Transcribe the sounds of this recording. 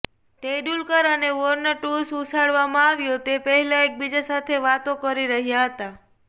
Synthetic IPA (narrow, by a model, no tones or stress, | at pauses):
t̪eɖulkəɾəneʋɔɾnəʈususaɽʋamãaʋjot̪epəɦɛlaek̚bid͡ʒasat̪ʰeʋat̪okəɾiɾəɦjaɦət̪a